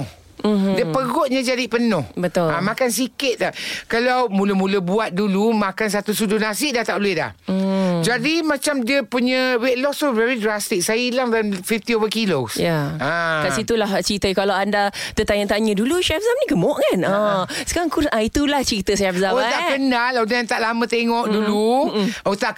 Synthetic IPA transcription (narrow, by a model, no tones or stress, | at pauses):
h̩ | dəpəɡɔʔ̚ɲad͡ʒadipənʊhbət̪ʊamakans̬ikɪt̪̚lakalawmuləmũləbuat̪̚dulumakans̬at̪usudohnasɪʔ̚daht̪aʔluɪla̰hd͡ʒadimãt͡ʃamdiəpuɲəweʔlɔstovɛɾidɾast̪ɪk̚sajəilaŋdalamfift̪iovəkilosjaãkasit̪ulaht͡ʃit̪əkalawandat̪ət̪aɲə̃t̪aɲə̃duluʃɛfzamniɡəmɔʔkanasə̥kaɾaŋkuãit̪ulaht͡ʃɾit̪əʃafzaot̪aʔbənalawdaant̪aʔlamə̃t̪eŋɔʔduluot̪aʔ